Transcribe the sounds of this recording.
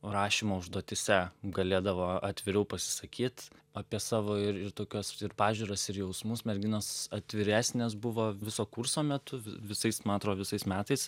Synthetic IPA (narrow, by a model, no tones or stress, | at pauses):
ɾɑːʃʲimoːʊʒd̪uɔt̪ʲɪsʲɛɡɐlʲeːd̪ɐʋoːɐt̪ʲʋʲɪɾʲɛʊpɐsʲɪ̥sɐkʲiːt̪ɐpʲiɛsɑːʋoːɪɾɪɾt̪oːkʲoːsɪɾpɑːʒʲuːɾɐsɪɾjɛʊsmʊsmʲɛɾʲɡʲɪnoːsɐt̪ʲʋʲɪɾʲæːsʲnʲeːsbʊʋoːʋʲɪsoːkursoːmʲɛt̪ʊʋʲɪʋʲɪsɐɪsmɑːt̪ɾoːʋʲɪsɐɪsmʲæːt̪ɐɪs